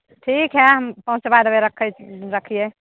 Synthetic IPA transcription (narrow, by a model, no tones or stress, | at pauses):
ʈʰikɦɛɦəmpəɦũt͡ʃsebad̪əeɾəkʰːəɾəkʰije